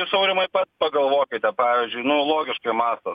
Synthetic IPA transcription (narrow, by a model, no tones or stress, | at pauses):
ɪsɐʊɾʲɪmɐɪpɐt̪pɐɡɐlˠʋoːkʲɪt̪ʲɛpɑːʋʲiːzʲd͡ʒʲʊɪnʊlˠoːɡʲɪʃkɐɪmɑːst̪oː